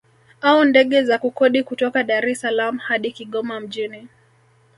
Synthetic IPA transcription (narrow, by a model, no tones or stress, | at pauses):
aundɛɠɛzakukɔɗikutɔkaɗaɾɛsalamuhaɗikiɠɔmam̩ʄini